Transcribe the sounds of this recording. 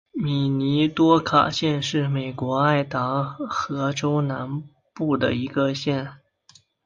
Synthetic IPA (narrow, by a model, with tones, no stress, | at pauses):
mi˨˩ni˧˥t̪wɔ˥kʰa̰˨˩ɕjɛ˥˧nʂɻ̩˥˩me˨˩ɪkwɔ˧˥a˥˩ɪt̪ɑ˧˥xɤ˧˥ʈ͡ʂo˥ʊna˧˥n | pu˥˩d̪ə̰˩i˧˥ɡə˧ɕjɛ˥˩n